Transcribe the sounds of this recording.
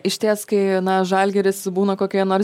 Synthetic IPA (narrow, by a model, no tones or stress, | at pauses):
ɪʃʲt̪ʲeːskɐɪnɐʒɐlʲɡʲɛɾʲɪsbuːnɐkoːkʲiːnoːɾ